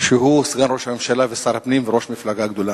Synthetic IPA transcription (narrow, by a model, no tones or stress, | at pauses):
ʃeɦusɡanʁoʃhame̞mʃalavesaɾapnimveʁo̞ʃmiflaɡaɡd̪o̞la